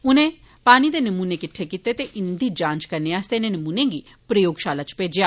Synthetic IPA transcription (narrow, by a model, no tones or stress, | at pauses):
ʊnẽː | paːñiːd̪eːnəmuːneːkɪʈʰːeːkit̪eːt̪eːʔɪnd̪iːd͡ʒãːnt͡ʃkəɾneːaːst̪eːnẽːnəmuːnẽːɡiː | pɾəjoːɡʃaːlaːt͡ʃpeːd͡ʒɪjaː